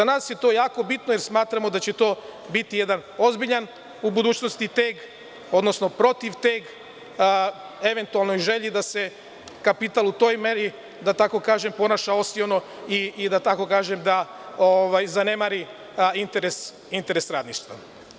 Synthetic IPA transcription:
anaːsje̞t̪o̞ːjaːko̞bit̪nojeɾsmaːt̪ɾamo̞d̪at͡ɕet̪o̞ːbit̪ije̞d̪ano̞zbiʎan | ubud̪uːt͡ɕnost̪it̪eɡ | o̞d̪no̞sno̞pɾo̞t̪iʋt̪eɡ | e̞ʋe̞nt̪ualˠnojʒe̞ʎid̪ase̞ | kapit̪alˠut̪o̞ːjme̞ɾi | d̪at̪ako̞kaːʒe̞mpo̞naʃao̞siono̞ | id̪at̪ako̞kaːʒemd̪a | oʋajzanemaɾi | int̪eɾes | int̪e̞ɾesɾaːd̪niʃt̪ʋa̰

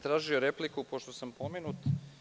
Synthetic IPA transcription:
t̪ɾaːʒio̞ɾe̞plikupo̞ʃt̪osampo̞menut̪

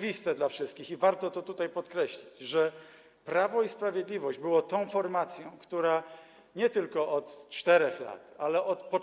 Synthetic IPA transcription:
vʲist̪ɛd̪lafʂɘst̪̚kʲixivaɾt̪ɔt̪ɔt̪ut̪ajpɔt̪kɾɛɕlʲid͡ʑʐɛ | pɾavɔispɾavʲjɛd̪lʲivɔʑd͡ʑbɘwɔt̪ɔ̃w̃fɔɾmat̪sʲjɔ̃w̃kt̪uɾa | ɲɛt̪ɘlkɔʔɔt̪t͡ʂt̪ɛɾɛxla̰t̪alɛʔɔt̪pɔ

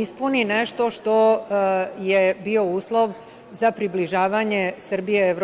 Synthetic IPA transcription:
ispunineʃt̪o̞ʃt̪o̞ | jebio̞uːslˠo̞ʋ | zapɾibliʒaːʋaɲe̞sr̩bijeeʋɾ

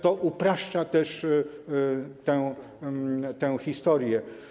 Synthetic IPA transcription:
t̪ɔʔupɾaʂt͡ʂat̪ɛʂ | t̪ɛ̃w | t̪ɛ̃w̃xʲist̪ɔɾjɛ

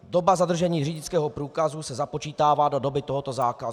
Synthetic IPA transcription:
do̞bazad̪r̩ʒɛɲiːriːɟɪt͡skɛːɦopɾuːkazusɛzapo̞t͡ʃiːt̪aːvaːdo̞do̞bɪt̪oɦot̪o̞zaːkazu

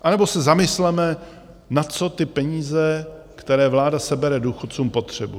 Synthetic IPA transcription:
ʔanɛbo̞sɛzamɪslɛmɛ | natt͡so̞t̪ɪpɛɲiːzɛ | kt̪ɛɾɛːvlaːdasɛbɛɾɛduːxot̪t͡suːmpo̞t̪r̝̥ɛbu

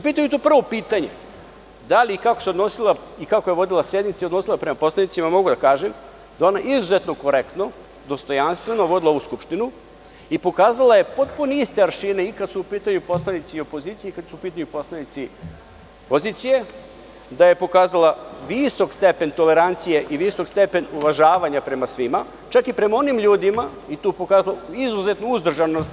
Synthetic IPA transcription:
upiːt̪amjut̪opr̩ʋopiːt̪aɲe | d̪alikakoseo̞d̪no̞silˠaikakoje̞ʋo̞d̪ilˠasɾed̪nit̪seiod̪no̞silˠapɾemapo̞slˠanit̪simamo̞ɡud̪akaːʒem | d̪ao̞naʔizuzet̪noko̞ɾekt̪no̞ | d̪o̞st̪o̞janst̪ʋe̞no̞ʋod̪ilaouskupʃt̪inu | ipo̞kaːzalaje̞pot̪̚puneist̪e̞aɾʃineikad̪suupiːt̪aɲupo̞slˠanit̪sio̞pozit̪sijeikad̪suupiːt̪aɲupo̞slˠanit̪si | poziːt̪sije̞ | d̪aje̞po̞kaːzalˠaʋiso̞kst̪e̞pe̞nt̪ole̞ɾant̪sije̞ʔiʋiso̞kst̪e̞pe̞nuʋaʒaːʋaɲapɾe̞masʋima | t͡ʃakipɾe̞mao̞nimʎuːd̪ima | it̪uːpo̞kaːzalaizuze̞t̪nouzd̪r̩ʒanost̪

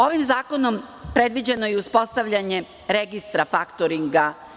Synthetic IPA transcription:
o̞ʋimzaːko̞no̞mpɾe̞d̪ʋid͡ʑenojeuspo̞st̪aʋʎaɲe̞ | ɾe̞ɡist̪ɾafakt̪oɾiŋɡa

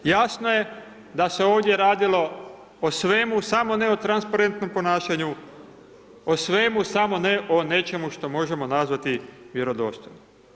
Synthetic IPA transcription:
jasnoje | d̪ase̞oːʋd̪je̞ɾaːd̪ilo̞ | osʋe̞musamo̞ne̞ot̪ɾanspaɾe̞nt̪no̞mpo̞naːʃaɲu | osʋe̞musamo̞ne̞ʔone̞t͡ʃe̞muʃt̪o̞mo̞ʒe̞mo̞nazʋat̪iʋje̞ɾo̞d̪o̞̰st̪ojno

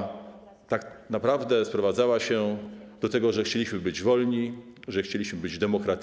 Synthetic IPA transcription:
t̪aknapɾavd̪ɛspɾɔvad̪zawaɕɛd̪ɔt̪ɛɡɔʐɛxt͡ɕelʲiɕmɘbɘd͡ʑvɔlɲiʐɛxt͡ɕelʲiɕmɘbɘd͡ʑd̪ɛmɔkɾat̪

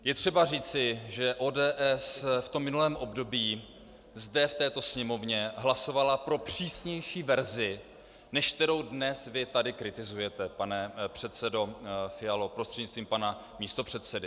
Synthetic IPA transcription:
jɛt̪r̝̥ɛbariːt͡sɪʒɛʔo̞ːdɛːʔɛsft̪omːɪnulɛːmʔo̞bdo̞biː | zdɛft̪ɛːt̪o̞sɲɛmo̞vɲɛɦlaso̞valapɾo̞pr̥iːsɲɛjʃiːvɛɾzɪ | nɛʃk̚t̪ɛɾo̞wdnɛsvɪt̪adɪkɾɪt̪ɪzujɛt̪ɛpanɛpr̝̥ɛt̪sɛdo̞fɪalopɾost̪r̥ɛdɲɪt͡st̪viːmpana | miːst̪o̞pr̝̥ɛt̪sɛdɪ

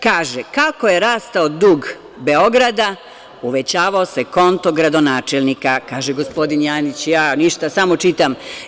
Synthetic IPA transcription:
kaːʒekako̞je̞ɾaːst̪aod̪uːɡ | be̞o̞ɡɾad̪a | uʋe̞t͡ɕaːʋaose̞ko̞nt̪o̞ɡɾad̪o̞naːt͡ʃelnikakaːʒeɡospo̞d̪injaːnit͡ɕjaːniʃt̪asamo̞t͡ʃit̪am

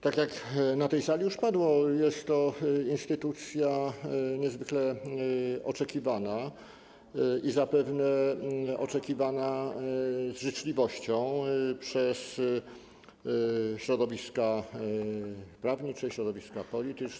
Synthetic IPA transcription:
t̪akjaknat̪ɛjsalʲijuʂpad̪wɔjɛst̪ːɔinst̪ɘt̪ut̪sʲjaɲɛzvɘklɛ | ɔt͡ʂɛkʲivana | izapɛvnɛɔt͡ʂɛkʲivana | zʐɘt͡ʂlʲivɔɕt͡ɕɔ̃w̃pʂɛs | ɕɾɔd̪ɔvʲiska | pɾavɲit͡ʂɛɕɾɔd̪ɔvʲiskapɔlʲit̪ɘt͡ʂ

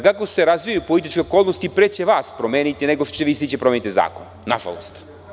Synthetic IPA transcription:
kakose̞ɾazʋijajupolit̪it͡ʃkeokoːlˠnost̪ipɾet͡ɕeʋaːspɾomeːnit̪ineɡoʃt͡ɕeʋist̪it͡ɕepɾome̞nit̪iza̰ːko̰n | na̰ʒa̰lo̰st̪

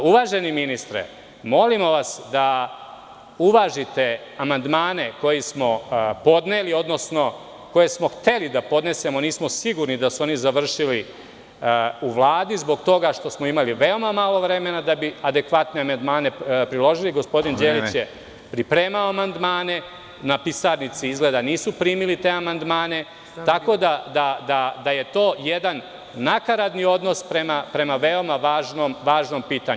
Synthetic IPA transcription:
uʋaːʒe̞niminist̪ɾḛ | mo̞limo̞ʋasd̪a | uʋaːʒit̪e̞ | amand̪maːne̞ko̞jismo̞po̞d̪neːlio̞d̪no̞sno̞ | ko̞je̞smo̞xt̪e̞lid̪apo̞d̪ne̞se̞moniːsmo̞siɡuɾnid̪asuo̞nizaʋr̩ʃili | uʋlˠaːd̪izbo̞ɡt̪o̞ɡaʃt̪o̞smo̞imaliʋeo̞mamalˠo̞ʋɾe̞me̞nad̪abiad̪ekʋat̪ne̞amand̪maːne̞pɾilˠo̞ʒiliɡo̞spo̞d̪ind͡ʒeːlit͡ɕje | pɾipɾe̞ːmaoamand̪maːne̞ | napisaɾnit̪siizɡle̞ːd̪aniːsupɾiːmilit̪e̞ːamand̪maːne̞ | t̪ako̞d̪ad̪ad̪ad̪aje̞t̪o̞ːjed̪anː | akaɾad̪nio̞d̪no̞spɾe̞mapɾe̞maʋe̞o̞maʋaːʒnomʋaːʒno̞mpiːt̪aɲ

